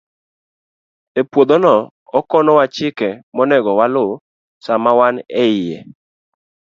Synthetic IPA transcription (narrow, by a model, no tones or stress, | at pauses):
epwod̪onɔ | ɔkɔnɔwat͡ʃɪkɛmɔnɛɡɔwalʊ | samawanɛɪjɛ̰